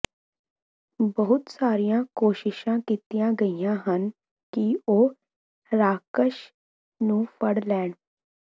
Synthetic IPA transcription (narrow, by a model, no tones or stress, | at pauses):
bəɦʊt̪saːɾijãːkoːʃɪʃãːkiːt̪ijãːɡəijãːɦən | kioː | ɾaːkəʃ | nũːpʰəɽlɛːɳ